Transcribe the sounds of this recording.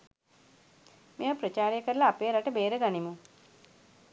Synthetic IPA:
meəpɾət͡ʃaːɾejəkəɾəlaːpeːɾaʈəbeːɾəɡanimu

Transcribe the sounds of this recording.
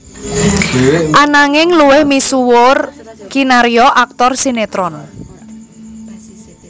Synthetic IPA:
ʔanaŋɪŋluwɪhmisuwʊrɡ̥inaɾiɔʔak̚t̪ɔrsinet̪ɾɔn

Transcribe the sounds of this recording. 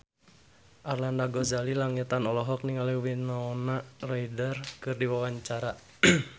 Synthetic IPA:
ʔarlandaɡɔzalilaŋit̪anɔlɔɦɔk̚niŋaliwinaɔnaraidərkɨrdiwawaɲt͡ʃaɾa

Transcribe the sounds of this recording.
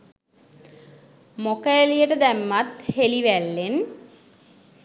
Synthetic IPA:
mokəelijəʈəd̪æmːat̪heliʋælːen

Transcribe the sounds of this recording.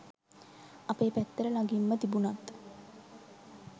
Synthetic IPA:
apeːpæt̪ːəɾəlaɡimːət̪ibunat̪

